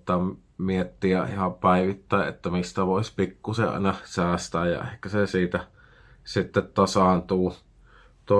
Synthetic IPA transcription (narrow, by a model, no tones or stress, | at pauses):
t̪ːɑ | miet̪ːiɑʔḭhɑpæˑiʋit̪ːæˑeʔʔḛt̪ːæmist̪æʋoˑesʲpikːusḛʔʔɑ̰ˑinɑsæːst̪æːjjɑ̰ḛhkːæsesiːt̪æ | sit̪ːet̪t̪ɑsɑˑnt̪uː | t̪o